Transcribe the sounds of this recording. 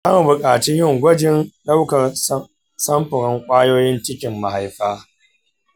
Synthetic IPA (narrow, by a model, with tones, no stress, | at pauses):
a˦m˨bʊ˨kʼaː˨t͡ʃɪ˦ɲjɪ˦ŋɡʷɐ˦d͡ʒɪ˦nɗa˦wkɐ˨r | sɐ˦mɸɪ˨ɾɪ˦ŋkʷʼaː˦joː˦jɪ˦nt͡ʃɪ˦kʲɪ˨mːa˨ha˨jɸaː˦